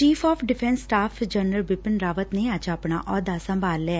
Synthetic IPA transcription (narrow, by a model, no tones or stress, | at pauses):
t͡ʃiːpʰɔːpʰɖɪpʰɛ̃nsːʈaːpʰd͡ʒənəlbɪpənɾaːʋət̪neːəd͡ʒəpna̰ːʔɔːd̪aːsə̃mbaːlːɛɛː